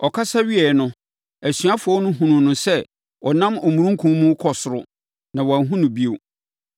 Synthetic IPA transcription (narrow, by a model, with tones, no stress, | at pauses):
ɔ˨kʰa˦sa˦ɥi˦ɛ˨nʊ̃˦ | æ˨sɥa˦fʊ˨ɔ˦nʊ̃˦ɦũ˨nʊ̃˨nʊ̃˦sɛ˦ | ɔ˨nã˦mɔ˨mũ˨ɾũ˦ŋ˦kʰũ˦mũ˦kʰɔ˨sʊ˨ɾʊ̰˦ | nã˨wɔ˨a˨ɦũ˦nʊ̃˨bi˦o˨